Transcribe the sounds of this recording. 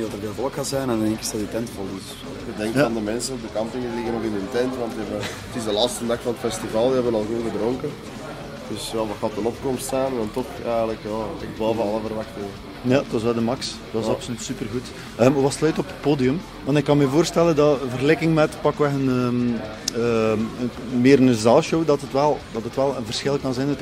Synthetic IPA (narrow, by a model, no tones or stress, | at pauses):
dɑtərveːlvɔlˠəkxaːsɛjnɛndɛɪŋkɪ̥sɑditɛntfɔlɪs | ədɛŋkːandəmɛnsənɔvdəkɑmpɪŋəlɪɣənɔkɪndɪntɛntʋɑntdiɛbə | ətɪzdəlaːtstəndɑxfɑnətfɛstivalˠdiɦɛbənɑlˠɣoːnɣədɾɔŋkən | d̥ʏsjaːʋɑxaːtənɔp̚kɔmstsaːnɛndɑntɔxɛjɣələkjaːɛxbɔːlˠvəɑlˠəvəɾʋɑxtɪŋə | jad̥ɑs̬ʋɛlˠdəmɑks | d̥ɑsɑpsolytsypərɣut | əːmʋɑslœɥtɔpə̥t̚poːdijɵm | ʋɑntɪkːɑnmɛvoːrstɛləndɑvərɣlɛkɪŋmɛtpɑkʋɛxənəm | əəmeːɾənəzaːlˠʃowdɑtətʋɛlˠd̥ɑtətʋɛlˠənvərsxɪlˠkɑnzɛjnət